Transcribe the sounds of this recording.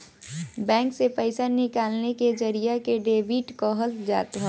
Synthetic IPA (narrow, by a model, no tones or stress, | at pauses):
bɛ̃ːŋksepəɪsanɪkaːlneked͡ʒɐɾijakeɖeːʋiːʈkoɦəld͡ʒa̰ːt̪ɦɛː